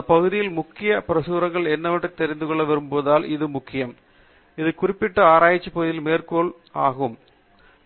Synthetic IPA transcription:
ɐnd̪ɐpɐɣɯðɪjɪlmʊkːɪjɐpɪɾɐsuːɾɐŋɡɐɭɛnːɐʋɐʈːɯt̪ːɛɾɪnd̪ɯkɔɭːɐʋɛɾɯmpoːðaːlɪðɯmʊkːɪjɐm | ɪðɯkʊrɪpːɪʈːɐaːɾaːjɪt͡ʃːipːɐɣɯðɪɪlmeːrkoːɭ | aːɣɯm

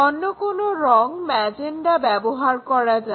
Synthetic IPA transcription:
onːokonoɾɔŋmɛd͡ʑenɖabɛboɦaɾkɔɾad͡ʑa

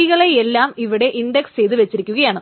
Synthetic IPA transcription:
iɣɐɭeelːaːmiʋiɽe̞ʔinɖekst͡ɕe̞jt̪ɨʋet͡ɕːiɾikʲːuɣɐjaːɳɨ

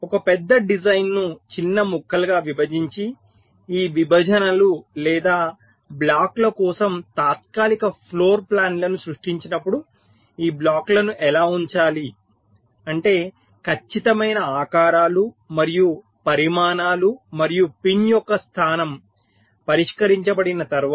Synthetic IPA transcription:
ɔkɐpɛd̪ːɐɖid͡ʒɐjnːut͡ʃinːɐmukʰːɐlɡaːʋibʱɐd͡ʒiɲt͡ʃi | iːʋibʱɐd͡ʒɐnɐlulɛːd̪aː | blaːklɐkɔːsɐmt̪aːt̪̚kaːlikɐpʰloːɾplaːnlɐnusɾuʂʈiɲt͡ʃinɐpːuɽu | iːblaːklɐnuʔɛlaːuɲt͡ʃaːli | ɐɳʈe̞ː | kʰɐt͡ʃːit̪ɐmɐjnɐaːkaːɾaːlu | mɐɾiju | pɐɾimaːnaːlumɐɾijupinjɔkːɐst̪ʰaːnɐm | pɐɾiʂkɐɾiɲt͡ʃɐbɐɽinɐt̪ɐɾʋ

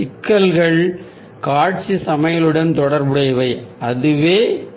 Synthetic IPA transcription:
ɪkːɐlɣɐɭ | kaːʈ̚t͡ʃisɐmɐjɐlɯɽɐnt̪ɔɽɐɾbɯɽɐɪʋɐɪɐðɯʋeː

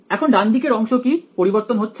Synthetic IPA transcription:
ɛkʰonɖand̪ikeɾɔŋʃokipoɾiboɾt̪onɦotːɕʰ

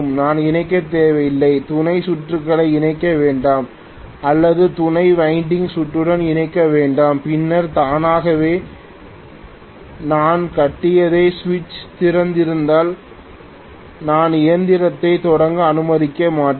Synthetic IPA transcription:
mnaːnɪnɐɪk̬ːɐt̪ːeːʋɐjɪlːɐɪt̪ʊnɐɪsʊʈrɯkːɐɭɐɪɪnɐɪkːɐʋeːɳɖaːm | ɐlːɐðɯt̪ʊnɐɪʋɐɪɳɖɪŋɡsʊʈrɯɽɐnɪnɐɪkːɐʋeːɳɖaːmpɪnːɐɾt̪aːnaːɣɐʋeː | naːnkɐʈːɪjɐðeːsʋɪt͡ʃt̪ɪɾɐnd̪ɪɾɯnd̪aːl | naːnɪjɐnd̪ɪɾɐt̪ːɐɪt̪ɔɽɐŋɡɯɐnɯmɐðɪkːɐmaːʈː

